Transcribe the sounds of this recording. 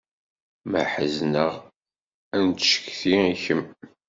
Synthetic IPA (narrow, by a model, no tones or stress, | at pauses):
mə̰ħəznəʁ | ænt̪ʃə̥kθiiçəm